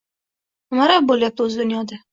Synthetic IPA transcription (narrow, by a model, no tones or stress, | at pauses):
ʊmaɾaboljap̚d̪ɵzɪd̪ʊnjɒd̪a